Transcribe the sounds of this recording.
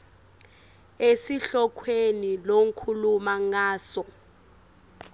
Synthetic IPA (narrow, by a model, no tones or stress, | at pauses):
esiɬɔkʰwenilom̩kʰulumaŋaːsɔ